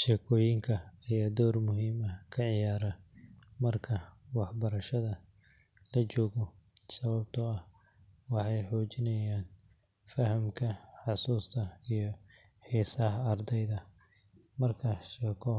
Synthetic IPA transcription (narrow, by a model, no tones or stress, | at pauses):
ʃɛːkʰɔːjɪŋkʰɐijd̪ɔːrmʊɦiːmɐkʰɐʕɪjaːɾɐ | mɐrkʰɐwɑħbɐɾɐʃɐðɐ | lɐt͡ʃɔːɣɔsɐβɐbt̪ʰɔɐhwɑħɑjħɔːt͡ʃɪnɐjaːnfɐɦɐmkʰɐħɑsuːst̪ʰɐijɞħiːsɐhːrd̪ɛjðɐ | mɐrkʰɐʃɛːkʰɔ